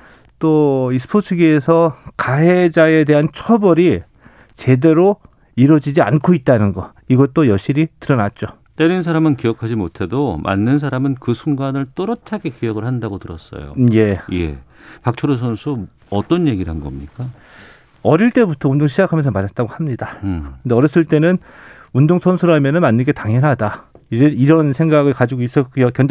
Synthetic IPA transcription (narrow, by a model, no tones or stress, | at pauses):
t͈oisʰɯ̥pʰotʰɯɡiesʰʌkaɦe̞d͡ʑae̞de̞ɦant͡ɕʰʌbʌɾi | t͡ɕe̞de̞ɾo | iɾʌd͡ʑid͡ʑia̰nkʰoit̚t͈anɯnɡʌ | iɡʌt͈ojʌɭɕ͈iɾitɯɾʌnat̚t͡ɕ͈o | t͈eɾinsʰaɾamɯnkijʌkʰad͡ʑimotʰe̞domʔa̰nːɯnsʰaɾamɯnkɯsʰuŋɡanɯɭt͈ʌɾʌtʰaɡe̞kijʌɡɯɭhandaɡotɯɾʌ̰s͈ʌ̰jo̰je̞je̞̰ | pak̚t͡ɕʰoɾus̬ʰʌnsʰu | ʌt͈ʌnje̞ɡiɾɦanɡʌ̰mɲik͈a | ʌɾiɭt͈e̞butʰʌundoŋɕʰid͡ʑakʰamʌnsʰʌmanat̚t͈aɡohamɲidaɯndeʌɾʌs͈ɯɭt͈e̞nɯn | undoŋsʰʌnsʰuɾamjʌnɯnmanːɯnɡe̞taŋɦjʌnɦada | iɾeiɾʌnsʰeŋɡaɡɯɭkad͡ʑiɡois͈ʌkjʌkjʌnd͡ʑ